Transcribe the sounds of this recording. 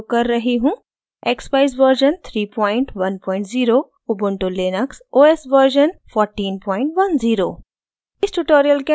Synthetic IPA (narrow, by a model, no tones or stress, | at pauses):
kɐɾːɐɦiɦũː | eːkspaːɪzʋəɾʒənt̪ʰɾiːpɔ̃ːɪ̃ɳʈʋɐnpɔːɪ̃ɳʈziːɾo | ubʊɳʈoleːnəksoːeːsʋəɾʒənfʰɔːɾʈiːnpɔːɪ̃ɳʈʋɐnziːɾo̰ː | ɪsʈuʈoːɾijəlke